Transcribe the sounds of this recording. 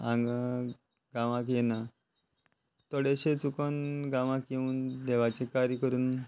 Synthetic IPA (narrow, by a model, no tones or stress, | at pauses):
ãŋɡ | ɡãʋãk̬jena | t̪ɔɽeɕet͡sukənɡãʋãkjeuːnd̪eʋat͡ɕekaɾjəkəɾuːn